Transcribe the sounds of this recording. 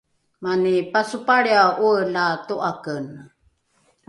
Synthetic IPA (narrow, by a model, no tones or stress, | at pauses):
manipasupaɭiaulatuʔakən